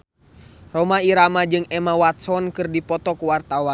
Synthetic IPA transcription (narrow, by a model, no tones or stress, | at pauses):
rɔmaiɾamad͡ʒɨŋɛmawat̪sɔnkɨrdipɔt̪ɔkuwart̪awan